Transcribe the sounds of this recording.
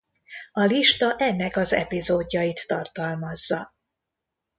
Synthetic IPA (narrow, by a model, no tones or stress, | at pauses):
ɒliʃt̪ɒʔɛnːɛkɒzɛ̰pizoːɟːɒjit̪ːɒrt̪ɒlmɒzːɒ